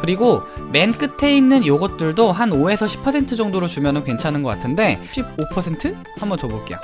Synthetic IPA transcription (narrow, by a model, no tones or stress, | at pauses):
kɯɾiɡome̞nk͈ɯtʰe̞inːɯnjoɡʌt̚t͈ɯɭdoɦanoe̞sʰʌɕʰi̥pʰʌsʰe̞ntʰɯd͡ʑʌŋdoɾot͡ɕumjʌnɯnkwe̞nt͡ɕʰanɯnɡʌk͈atʰɯnde̞ɕʰib̚opʰʌsʰe̞ntʰɯ | hambʌnt͡ɕʌboɭk͈ḛjo̰